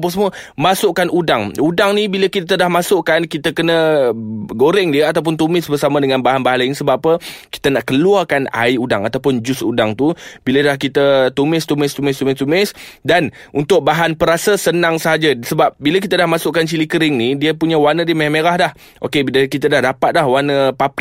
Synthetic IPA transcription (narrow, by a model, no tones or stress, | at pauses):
p̬əsəmuəmasʊʔkanudaŋudaŋnibiləkit̪ədahmasʊʔkankit̪əkənə | ɡoɾɛŋdiəat̪awp̬ʊnt̪umɪsbərsamãdəŋanbaɦanbaɦanlainisəbaʔpəki̥t̪ənaʔkəluarkana̰iudaŋat̪awpʊnd͡ʒʊsudaŋt̪ubiləlahkit̪ət̪umɪst̪umɪst̪umɪst̪umɪst̪umɪsdan | unt̪ʊʔ̚baɦanpəɾasəsənaŋsəɦad͡ʒasəbap̚bilək̬it̪adahmasʊʔkant͡ʃilikəɾɪŋnidiəpuɲə̃wanə̃diəmemeɾahdah | ʔo̰kebiləkit̪adahdapat̪̚lahwanəpap